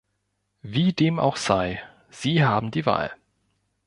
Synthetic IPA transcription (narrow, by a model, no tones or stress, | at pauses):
viːdeːma̰ʊxz̥aɪ | z̥iːɦaːbm̩diːva̰ːl